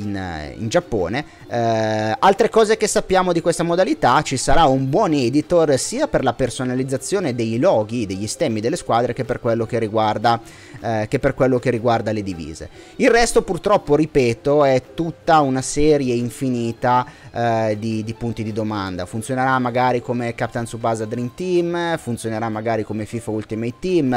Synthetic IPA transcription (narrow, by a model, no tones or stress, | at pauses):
inḭnd͡ʒapːo̰ːne | alt̪ɾekɔːzekesːapːjaːmod̪ikwest̪amod̪alit̪at͡ʃisaɾaumbwɔnɛd̪it̪orsiːaperlapersonalid̪zːat̪sːjoːned̪ejlɔːɡid̪eʎːist̪ɛmːid̪elːeskwaːd̪ɾekepːerkwelːok̟erːiɡward̪a | kepːerkwelːokerːiɡward̪aled̪ivḭːzḛ | ilrːɛst̪opurt̪ɾɔpːoɾipɛːt̪oɛt̪ːut̪ːaunasɛːɾjeiɱfiniːt̪a | d̪id̪ipunt̪id̪id̪omand̪a̰funt̪sjoneɾamːaɡaːɾikomekapːt̪ansupazad̪ɾint̪imfunt̪sjoneɾamːaɡaːɾikomefifault̪imejt̪im